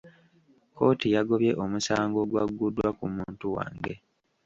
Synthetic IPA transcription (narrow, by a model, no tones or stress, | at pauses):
ko̞ːtijaɡo̞βje̞ʔomusaːŋɡo̞ɡwaɡudwakumuːntuwa̰ːŋɡe̞